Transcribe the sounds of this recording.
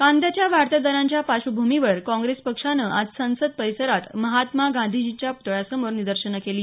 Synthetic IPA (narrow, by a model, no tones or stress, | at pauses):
kãnd̪at͡ɕjaʋaɾt̪əd̪əɾãɲt͡ɕjapaɕubʱumiʋəɾkɔ̃ŋɡɾespəkʂanəʔad͡zsə̃səd̪̚pəjsəɾat̪məɦat̪maɡãnd̪ʱid͡ʑit͡ɕjaput̪əɭjasəmoɾnid̪əɾɕənəkeliː